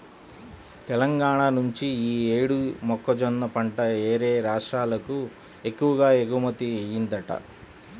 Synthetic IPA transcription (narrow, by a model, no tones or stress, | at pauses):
t̪ɛlɐŋɡaːɳaːnuɲt͡ʃiiːeːɽumɔkːɐd͡ʒɔnːɐpɐɳʈɐeːɾeːɾaːʂʈɾaːlɐku | ekːuʋɐɡaːeɡumɐt̪iɐjind̪ɐʈɐ̰